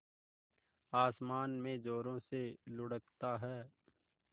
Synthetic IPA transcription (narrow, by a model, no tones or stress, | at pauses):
aːsmaːnmẽd͡ʒoːɾõselʊɽəkt̪aɦɛː